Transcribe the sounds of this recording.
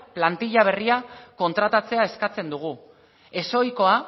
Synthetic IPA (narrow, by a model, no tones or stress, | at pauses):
plant̪iʎaβ̞e̞riako̞nt̪ɾat̪at͡se̞aeskat͡se̞nd̪uɣ̞u | e̞so̞jko̞a